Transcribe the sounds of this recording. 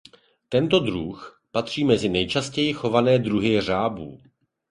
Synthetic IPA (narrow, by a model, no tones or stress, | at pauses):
t̪ɛnt̪o̞d̪ɾux | pat̪r̝̥iːmɛzɪnɛjt͡ʃascɛjɪxo̞vanɛːd̪ɾuɦɪr̝aːbṵː